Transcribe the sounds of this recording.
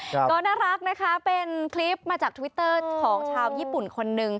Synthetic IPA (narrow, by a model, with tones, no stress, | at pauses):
kɔː˧˥naː˥˩ɾa˦˥k̚na˦˥kʰa˦˥pe˧nkʰli˦˥p̚maː˧t͡ɕaː˨˩k̪̚ʰwi˦˥t̪ːɤː˥˩kʰɔː˩˦ŋt͡ɕʰaː˧wjiː˥˩pu˨˩nkʰo˧nːɯ˨˧ŋ